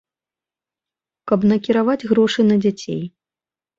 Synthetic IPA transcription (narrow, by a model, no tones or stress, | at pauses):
kɐbnɐkʲiɾavad͡zʲɣɾɔʂɨnɐd͡zʲat͡sʲḛj